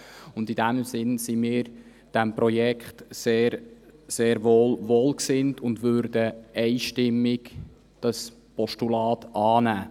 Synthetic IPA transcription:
ʊndidæmsɪnsimiːɾ | d̥ɛmpɾɔjɛkχtseːɾseːɾʋoːlʋoːlksɪntʊndʋøːɾd̥əɛɪʃtɪmːɪɡ | d̥ɑs | pɔʃtulɑːtɑːnæː

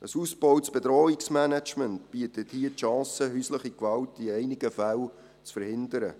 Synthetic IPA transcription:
əsuːsb̥ɔwt͡sb̥ɛdɾɔːiksmænæt͡ʃməntb̥iətəthiətʃɑ̃ːsəɦysləχikʋɑltiɛɪnɪɡ̥əfæl | t͡sfəɾhɪndəɾə̰

